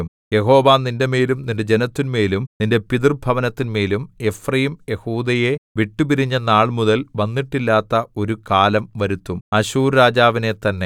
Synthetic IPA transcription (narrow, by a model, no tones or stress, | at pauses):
m | je̞ho̞ːʋaːninde̞meːlumninde̞d͡ʑe̞nɐt̪ːinmeːlumninde̞piðirbʱɐʋɐnɐt̪ːinmeːlume̞frɐjimje̞huːd̪ɐje̞ʋiʈːubiɾiɲːɐnaːɭmuðɐlʋɐnːiʈːilːaːt̪ːɐo̞ɾukaːlɐmʋɐɾut̪ːumɐɕuːɾɾaːd͡ʑaːʋine̞t̪ɐnːe̞